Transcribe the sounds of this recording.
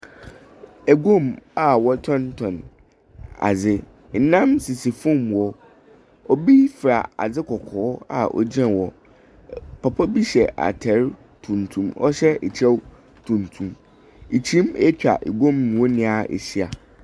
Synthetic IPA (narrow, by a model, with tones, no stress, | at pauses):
ɛ˨ɡõ˦˨ma˨wɔ˦tʰɔ̃˦ntʰɔ̃˨n | a̰˨d͡zɪ˦ | n̩˨nã˦msi˨si˨fũ˦˨mwɔ˦ | ɔ˦bi˦fɾa̰˨a̰˨d͡zɪ˦kʰɔ˨kʰɔː˨˦a̰˨ʔɔ̰˦˨d͡ʑɛ̃˦wɔ˨ | pʰɔ˨pʰɔ˦bi˦ɕɛ˨ʔa̰˨tʰɛ˨˦ɾ | tʰũ˨ntʰũ˦mɔ̰˦ɕɛ˦e˨t͡ɕʰɛ˦w | tʰũ˨ntʰũ˨m | i˨t͡ɕʰĩ˦mɛ˦t͡ɕᶣa̰˨ʔɛ̰˨ɡõ˦˨mñ˨wɔ˦nɪ̃˨a˨ḛ˨ɕi˦a˨